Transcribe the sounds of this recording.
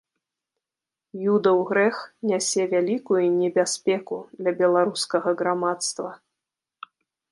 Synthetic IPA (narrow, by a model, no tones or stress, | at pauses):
jud̪ɐwɣɾɛxnʲasʲɛvʲalʲikujunʲɛbʲasʲpʲɛkud̪lʲɐbʲɛlˠaɾuskɐɣɐɣɾamat̪st̪vɐ